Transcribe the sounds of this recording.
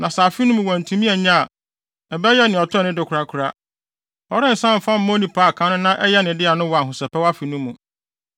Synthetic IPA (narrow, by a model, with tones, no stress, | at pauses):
nã˨sa˨fi˦nʊ̃˦mũ˨wɔ̃˨n̩˨tʰũ˦mĩ˦ɛ˨ɲã˦a˨ | ɛ˨bɛ˦jɛ˦nɪ̃˨ɔ˨tʰʊ˦˨nʊ̃˦dɪ˨kʰʊ˨ɾa˦kʰʊ˨ɾa˦ | ɔ˨ɾɪ̃˦n̩˨sã˦m̩˨fã˦m̩˦mɔ̃˦nĩ˦pʰa˦˨kʰã˦nʊ̃˦nã˦ʔɛ˦jɛ˦nɪ̃˨dɪ˦a˨nʊ̃˦wa˨ɦʊ˨sɛ˨pʰɛ˦wa˦fi˨nũ˦mũ˨